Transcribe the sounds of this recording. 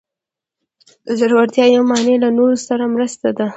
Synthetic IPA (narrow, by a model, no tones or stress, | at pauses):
d̪̥əʒaɾwaɾt̪jɑjawmɑnelanoɾosaɾamɾəst̪ad̪a